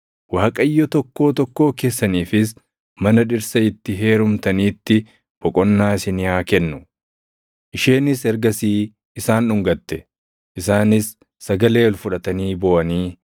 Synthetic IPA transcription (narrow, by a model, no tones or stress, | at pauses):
waːkʼɐjːɔt̪ɔkːo̞ːt̪ɔkːo̞ːke̞ːsːɐniːfɪs | mɐnɐᶑɪɾsɐɪt̪ːɪɦe̞ːɾʊmt̪ɐniːt̪ːɪ | bɔkʼɔnːaːsɪnɪaːkɛnːʊ | ʔɪʃeːnɪsɛɾɡɐsiː | ɪsaːnʊŋɡɐt̪ːɛ | ʔɪsaːnɪsː | ɐɡɐle̞ːɔlfʊᶑɐt̪ɐniːbɔːʔɐniː